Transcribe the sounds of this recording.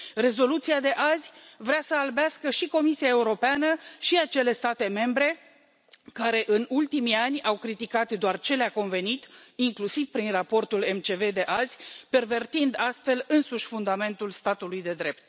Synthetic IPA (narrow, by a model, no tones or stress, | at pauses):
re̞zo̞lut̪siad̪e̞ʔazʲvɾeasəalbeaskəʃiko̞misiae̞uɾo̞peanəʃiat͡ʃe̞le̞st̪at̪e̞me̞mbɾe̞ | kaɾe̞ʔɨnult̪imianʲawkɾit̪ikat̪d̪oart͡ʃe̞leako̞nve̞nit̪iŋklusivpɾinrapo̞rt̪ule̞mt͡ʃe̞ve̞d̪e̞ʔazʲpe̞rve̞rt̪ind̪ast̪fe̞lɨnsuʃʲfund̪ame̞nt̪ulst̪at̪ulujd̪e̞d̪ɾe̞p̚t̪